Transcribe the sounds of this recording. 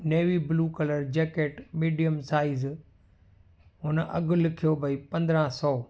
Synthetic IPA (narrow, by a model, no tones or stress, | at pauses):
neːʋibluːkɐləɾd͡ʑɛːkeːʈmiːɖijəmsaːiz | ɦʊnʔɐ̰ɡʊ̆lɪkʰijobʱɐipɐ̃nd̪ɾãsɔː